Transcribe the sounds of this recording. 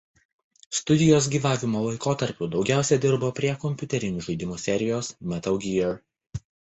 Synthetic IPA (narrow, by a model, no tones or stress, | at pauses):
st̪ʊd̪ʲɪjoːs̬ɡʲiːʋɑːʋʲɪmoːlˠɐɪkoːt̪ɐɾʲpʲuːd̪ɒʊɡʲæˑʊsʲɛd̪ʲɪɾboːpʲɾʲiɛkɔmʲpʲʊt̪ʲɛɾʲɪnʲuːʒɐɪd̪ʲɪmuːsʲɛɾʲɪjoːsmʲɛt̪ɐʊɡʲiɛɾ